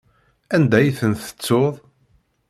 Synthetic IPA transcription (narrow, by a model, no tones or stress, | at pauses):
ænd̪æjθənθə̥t͡sːoðˤ